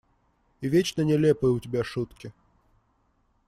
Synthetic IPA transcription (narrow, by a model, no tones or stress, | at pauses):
ivʲet͡ɕnənʲɛlʲɛpɨjəutʲɪbʲaʂut̪kʲɪ